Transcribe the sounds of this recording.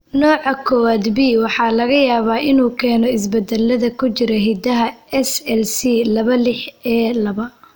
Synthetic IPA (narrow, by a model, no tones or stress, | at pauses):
nɔːʕɑkʰɔwaːd̪biwɑħɑːlɐɣɐjaːβaːʔɪnuːkʰɛːnɔɪs̬bɐd̪ɛlːɐðɐkʰʊt͡ʃɪɾɛɦid̪ɐɦɐɛsɛlsilɐβɐlɪħɛːlɐβɐ